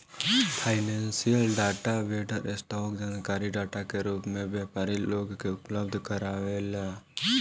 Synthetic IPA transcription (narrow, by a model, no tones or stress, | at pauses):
pʰaɪnɛnsijəlɖaʈabeɖəɾɛsʈɔk̚d͡ʒankaɾiɖaːʈakeɾuːpmẽbjɛpaɾilːoːɡkeʊpləbd̪ʱkəɾawɛla